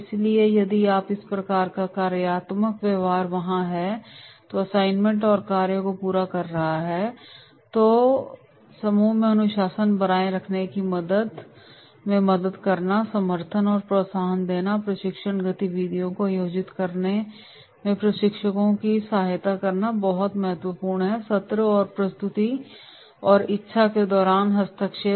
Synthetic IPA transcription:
ɪsliejɐd̪iaːpɪspɾɐkaːɾkakaːɾjəjaːt̪məkʋjeːʋaːɾʋɐɦãɦɛt̪oɐsaːɪnmə̃ɳʈɔːɾkaːɾjəkopuːɾakɐɾːɐɦaɦɛː | t̪oː | sɐmuːmẽɐnʊʃaːsənbɐɾaːeɾɐkʰnekimɐd̪əd̪ | mẽmɐd̪əd̪kɐɾnasɐməɾt̪ʰənɔːɾpɾoːsaːɦənd̪eːnapɾɐʃɪkʃəɳ̃ɡɐt̪iʋiːd̪ʱijõkojoːd͡ʒɪt̪kɐɾne | mẽpɾɐʃɪkʃəkõkisaːɦɪt̪akɐɾnabɐɦʊt̪mɐɦət̪wəpuːɾɳɦɛsɐt̪ɾəɔːɾpɾɐst̪ʊt̪i | ɔːɾɪtːʃʰaked̪ɔːɾaːnɦɐst̪ʰəkʃe

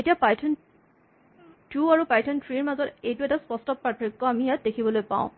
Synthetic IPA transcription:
etijapajtʰɔn | tuaɹupajtʰɔntʰɹiɹmazɔtejtuɛtaspɔstɔpaɹpʰɹikːɔamijat̚dekʰibɔlojpã̰ʊ̃

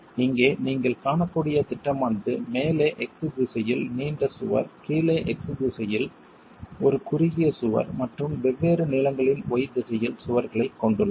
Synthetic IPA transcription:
ɪŋɡeːniːŋɡɐɭkaːɳɐkːuɽɪjɐt̪ɪʈːɐmɐnd̪ɯmeːleːʔɛksɯbɪsɐjɪlniːɳɖɐsʊ̰ʋɐ̰ɾkiːleːʔɛksɯbisɐjɪl | ɔɾɯkʊɾɪɣɪjɐsʊʋɐ̰ɾmɐʈrɯmʋɛʋːeːɾɯnɪlɐŋɡɐɭɪnɔjɪd̪ɪsɐjɪlsʊʋɐɾɣɐɭɐɪkːɔɳɖɯɭːɐ

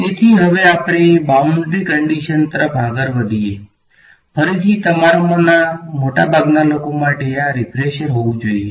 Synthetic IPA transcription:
t̪et̪ʰiɦəʋeapɽ̃ebauɳɖɾikəɳɖiʃənt̪əɾəfãɡəɾʋəd̪ʱie | pʰəɾit̪ʰit̪əmaɾmnamoʈabʱaɡnalokomaʈeaɾɪpɾeʃəɾɦoʋũd͡ʒoie

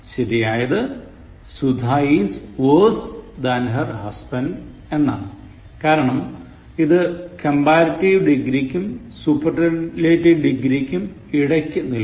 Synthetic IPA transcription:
ɕɐɾijaːjɐðɨ | sud̪ʱaisʋoːsd̪ɐnɦɐrhɐsbɐnɖ | e̞nːa̰ːɳɨ | kaːɾɐɳɐm | iðɨkɐmbaːɾɐtːiʋɖiɡɾikʲːumsupːɐrʈɐleːʈːiʋɖiɡɾikʲːum | iɽɐkʲːunil

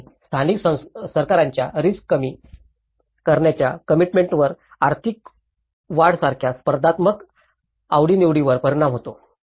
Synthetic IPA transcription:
st̪ʰaniksəsəɾkaɾaɲt͡ɕjaɾiskːəmi | kəɾɳjat͡ɕjakəmiʈmeɳʈʋəɾ | aɾt̪ʰik | ʋaɽsaɾkʰjaspəɾd̪at̪mək | aʋɽiniʋɽiʋəɾpəɾiɽamɦot̪o

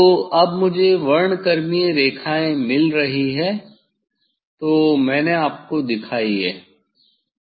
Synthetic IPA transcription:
t̪oːɐbmʊd͡ʒʱeʋɐɾɳkɐɾmijeɾeːkʰaːẽmɪlɾɐɦiɦɛː | t̪oːmɛ̃ːneaːp̚kod̪ɪkʰaːiɦɛː

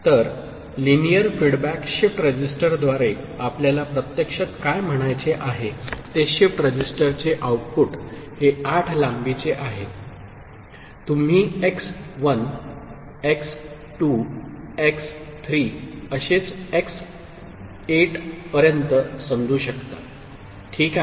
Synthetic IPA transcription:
t̪əɾ | linijəɾfiɽbækɕifʈɾəd͡ʑisʈəɾd̪ʋaɾe | apljalapɾət̪jəkʂət̪kajm̤əɽ̃ajt͡seʔaɦet̪eɕifʈɾəd͡ʑisʈəɾt͡seʔawʈpuʈheaʈʰlambit͡seʔaɦe | t̪um̤iːeksʋən | eks | ʈuekst̪ʰɾiːəɕet͡seks | eʈpəɾjənt̪əsəmd͡z̪ʱuːɕəkt̪a | ʈʰiːka

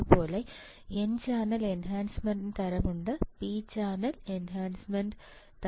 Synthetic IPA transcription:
po̞ːle | ent͡ɕaːnɐle̞nɦaːnsmɐɳɖɨnt̪ɐɾɐmuɳɖɨpiːt͡ɕaːnɐlenɦaːnsmɐɳɖ | t̪

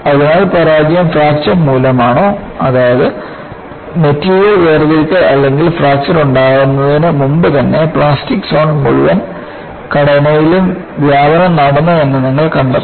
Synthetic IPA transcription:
ɐðinaːɭpɐɾaːd͡ʑjɐmfraːkt͡ʃɐnmuːlɐmaːɳoː | ɐðaːjɐðɨ | metːijɐʋeːrðiɭkɨʔɐlːe̞ŋɡilfraːk̚t͡ʃɐnuɳɖaːɣunːɐðinɨmumbɨt̪ɐnːe̞pɭaːstikːsoːɳmuɻuʋɐn | kɐɽɐnɐjilum | ʋjaːbɐnɐmnɐɽɐnːɐɐnːɐniŋːɐɭkɐɳɖɐ̰

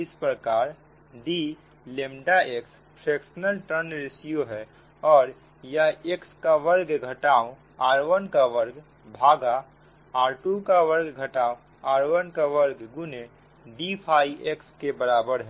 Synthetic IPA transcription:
ɪspɾəkaːɾ | ɖi | leːmɖaʔeks | pʰɾeːksənəlʈənɾɪsijoɦɛ | ɔːɾ | jɐɦekskaʋəɾɡɡʱəʈaːõ | aːɾʋənkaʋəɾɡ | bʱaːɡa | aːɾʈukaʋəɾɡɡʱəʈaːõ | aːɾʋənkaʋəɾɡɡʊne | ɖipʰaːiʔekskebəɾaːbəɾɦɛ

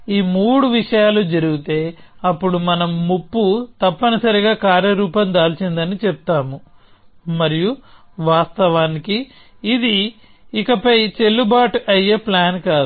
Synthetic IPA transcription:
iːmuːɽuʋiʂɐjaːlud͡ʒɐɾuɡit̪e̞ːɐpːuɽumɐnɐmːupːut̪ɐpːɐnɐsɐɾiɡaːkaːɾjɐɾuːpɐmd̪aːlt͡ʃind̪ɐnit͡ʃɛp̚t̪aːmu | mɐɾiju | ʋaːst̪ɐʋaːnikiː | d̪iː | kɐpɐjt͡ʃe̞lːubaːʈuʔɐjːeːplaːnkaːd̪

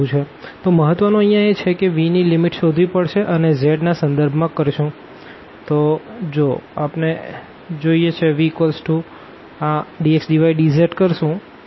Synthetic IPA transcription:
ũt͡ʃʰe | t̪oməɦət̪ʋənũəɦjãet͡ʃʰekeʋinilimiʈʃod̪ʱʋipəɽʃeʔənezeɖnasə̃nd̪əɾbʱmãkəɾʃũ | t̪od͡ʒoapne | d͡ʒoijet͡ʃʰeʋikəlsʈu | ãɖieksɖiʋaiɖizəɾʈkəɾʃũ

